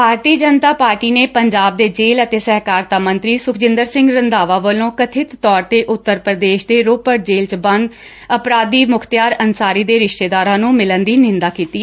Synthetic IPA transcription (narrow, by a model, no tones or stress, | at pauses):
bʱaːɾt̪iːd͡ʒənt̪aːpaːɾʈiːneːpəɲd͡ʒaːb̚d̪eːd͡ʒeːlət̪eːsɛːkaːɾt̪aːmə̃nt̪ɾiːsʊkʰd͡ʒɪ̃nd̪əɾsɪ̃ŋɡɾənd̪aːʋaːʋəlõːkət̪ʰɪt̪ːɔːɾt̪eːʔʊt̪ːəɾpɾəd̪eːʃd̪eːɾoːpəɾʈ̚d͡ʒeːlt͡ʃbənd̪ | əpɾaːd̪iːmʊkʰt̪jaːɾənsaːɾiːd̪eːɾɪʃʈeːd̪aːɾãːnũːmɪlənd̪iːnɪ̃nd̪aːkiːt̪iː